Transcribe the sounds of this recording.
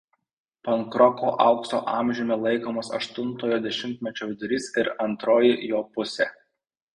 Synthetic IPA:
pɐŋkɾɔkoːʔɐʊkso̰ːʔɑˑmʲʒʲʊmʲɛlˠɐɪkoːmoːsɐ̰ʃt̪ʊnt̪oːjoːd̪ʲɛʃʲɪmʲt̪ʲmʲɛt͡ʃʲɛʊd̪ʲɾʲiːsɪɾɐnt̪ɾoːjɪjoːpʊsʲeː

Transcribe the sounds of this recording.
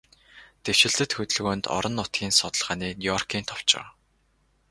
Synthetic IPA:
t̪ew̥ʃɪ̆ɮt̪ɘ̆t̪xɵt̪ɘ̆ɮɣoːnt̪ɔ̰ɾɞ̆nːʊt̪ɡʲiːnsʊt̪ə̆ɮʁaːniːnʲijɔrkʰiːnt̪ʰɔw̥t͡ɕɪ̰̆w

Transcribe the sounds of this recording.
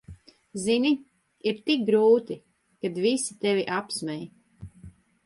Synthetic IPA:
zini | iɾt̪ik̚ɡɾuːt̪i | kad̪visit̪eviʔapsmɛj

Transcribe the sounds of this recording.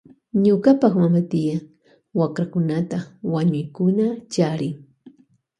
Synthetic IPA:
ɲʊkapɑχmamat̪ɪja | wakɾakʊnat̪awaɲʊjkʊnat͡ʃaɾɪŋ

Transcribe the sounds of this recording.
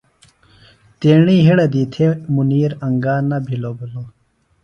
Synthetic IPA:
t̪eːɳiːɦiɽɐd̪iːt̪ʰemuniːɾɐŋɡaːnɐbʱiloːbuloː

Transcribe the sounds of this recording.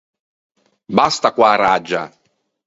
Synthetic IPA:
bast̪akwaːrad͡ʒːa̰

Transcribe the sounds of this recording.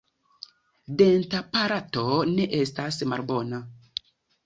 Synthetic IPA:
dentapaɾatoneʔestasmaɾbona

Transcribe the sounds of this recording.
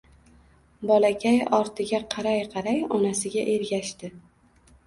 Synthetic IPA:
bɒlakʲʰajɒɾt̪ʰɪɡʲaqʰɑɾajqʰɑɾajɒnasɪɡʲaʔe̞ɾɡʲaʃt̪ɪ

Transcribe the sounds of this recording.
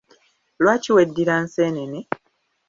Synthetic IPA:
lwaːciwedːiɾanseːnene

